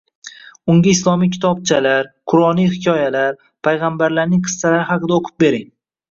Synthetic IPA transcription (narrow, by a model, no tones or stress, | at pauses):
ʊŋɡʲaɪslˠɒmijkʲʰɪ̥t̪ʰɒb̚t͡ʃʰalaɾqʰʊɾɒnijhɪkʲʰɒjalaɾ | pʰajʁambaɾlaɾnɪŋqʰɨ̥st̪alaɾɪhɑqʰɨd̪aoqʰɨ̥p̚be̞ɾɪŋ